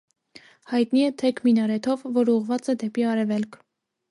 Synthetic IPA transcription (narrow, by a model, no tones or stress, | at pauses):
hɑjt̪niɛt̪ʰɛkʰminɑɾɛt̪ʰɔvːɔɾuʁvɑt͡sɛd̪ɛpiɑɾɛvɛlkʰ